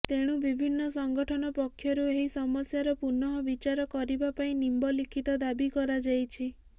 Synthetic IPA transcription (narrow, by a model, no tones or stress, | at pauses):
t̪eɽ̃ubibʱinːɔsɔŋɡɔʈʰɔnɔpɔkʰːjɔɾueɦisɔmɔsjaɾɔpuɾnɔɦɔbit͡ʃaɾɔkɔɾibapaĩnimbɔlikʰit̪ɔd̪abikɔɾad͡ʒajt͡ʃʰi